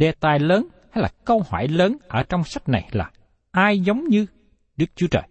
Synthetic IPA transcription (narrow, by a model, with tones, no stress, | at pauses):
ɗe˨˩t̪aː˨˩jləː˨˦n | ha˧jlaː˨˩kə˧whɔ̰˧˩jləː˨˦nʔəː˧˩t͡ɕɔ˧wŋ͡msa˦˥k̚na̰˨˩jlaː˨˩ | ʔaː˧jzə˨˦wŋ͡mɲɨ˧ | ɗɨ˦˥k̚t͡ɕu˨˦t͡ɕəː˨˩j